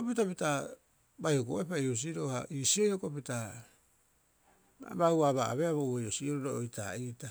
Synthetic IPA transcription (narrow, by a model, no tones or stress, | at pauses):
opitapita | bajhoko̰epaius̬iɾo̞haʔiːsiojokopita | a̰bauwaβaa̰βeaβoejosioɾoɾoojtʰa̰iːta